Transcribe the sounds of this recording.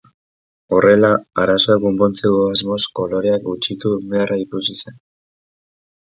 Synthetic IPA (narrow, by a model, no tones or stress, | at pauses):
o̞re̞laaɾaso̞eɡumbont͡seɣoazmo̞sko̞lo̞ɾe̞ak̚ɡut͡ʃit̪ume̞arʔaipusise̞n